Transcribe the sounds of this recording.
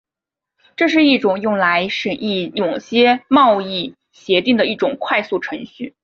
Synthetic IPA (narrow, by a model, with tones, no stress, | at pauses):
ʈ͡ʂɤ˥˧ʂ̬ɻ̩˥˧i˥˩ʈ͡ʂʊ˨˩ŋjʊ˥˩ŋla˧˥ɪʂə˨˩ni˥˩jʊ˨˩ŋɕjɛ˥mɑ˥˧ʊi˥˩ | ɕjɛ˧˥t̪i˥˩ŋd̪ə˩i˥˩ʈ͡ʂʊ˨˩ŋkʰwa˥˧ɪsu˥˩ʈ͡ʂʰɤ˧˥ŋɕy˥˩